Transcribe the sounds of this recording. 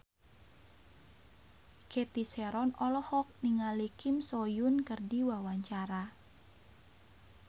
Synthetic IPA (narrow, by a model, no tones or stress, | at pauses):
ket̪iseɾɔnɔlɔhɔk̚niŋalikɪmsojʊnkərdiwawaɲt͡ʃaɾa